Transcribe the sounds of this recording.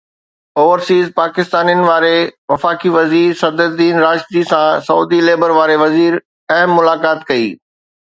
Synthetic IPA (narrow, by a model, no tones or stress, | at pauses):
oːʋəɾsiːzpaːkɪst̪aːnijənɪ̆ʋaːɾeʋɐfaːkiʋɐziːɾsɐd̪əd̪iːnɾaːʃt̪isãsɐṵːd̪ileːbəɾʋaːɾeʋɐziːɾ | ɐɦmːʊlaːkaːt̪kɐḭː